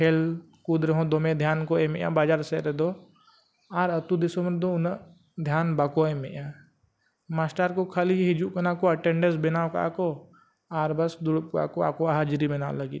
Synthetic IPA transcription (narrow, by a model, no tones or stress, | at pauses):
kʰeːl | kud̪ɾəɦõːd̪omẽd̪ʱjaːnkoemejã̰baːd͡ʒaːɾseɾed̪o | aɾət̪ud̪ɪsoməɾd̪oʊn | d̪ʱjaːnbaːkoẽmejã | maːsʈaɾkokʰaliɦɪd͡ʒukɐnakoɐʈeɳɖesbɪnaːwka̰ːko | aːɾbɐsd̪uɽp̚ka̰ːkoa̰koaɦad͡ʒɾibɪna̰ːwləɡḭ